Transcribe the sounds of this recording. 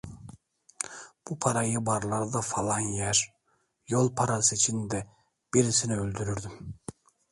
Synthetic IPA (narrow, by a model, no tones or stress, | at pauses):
b̥upʰaɾajɯbaɾlˠaɾd̪afalˠɑnjæɾ | jolˠpʰaɾasɯit͡ʃʰind̪ɛ | b̥iɾisiniølʲd̪yɾyɾd̪ym